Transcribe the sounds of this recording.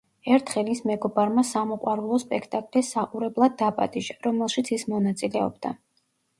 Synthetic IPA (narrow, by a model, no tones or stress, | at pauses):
ɛɾt̪ʰχɛlismɛɡɔbaɾmasamɔqʼwaɾulˠɔspʼɛkʰt̪ʼakʼlisaqʼuɾɛblˠad̪ːapʼa̰t̪ʼiʒaɾɔmɛlˠʃit̪sʰismɔnat̪sʼilɛɔ̰bd̪a